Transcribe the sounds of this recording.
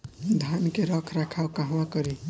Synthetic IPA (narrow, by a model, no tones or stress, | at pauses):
d̪ʱankeɾʌkʰɾakʰawkaɦwakʌɾi